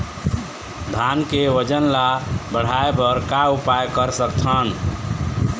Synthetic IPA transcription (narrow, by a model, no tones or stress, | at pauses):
d̪ʱankeʋəd͡ʒənlabəɽ̤aebəɾkaupajkəɾsəkt̪ʰən